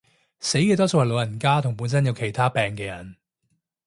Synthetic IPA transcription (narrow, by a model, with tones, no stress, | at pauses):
se˨˥jkɛː˧t̪ɔː˥so˧whɐ˨jlo˨˧wjɐ˨˩nkaː˥t̪ʰʊ˨˩ŋpuː˨˥nsɐ˥njɐ˨˧wkʰe˨˩jt̪ʰaː˥pɛː˨ŋkɛː˧jɐ˨˩n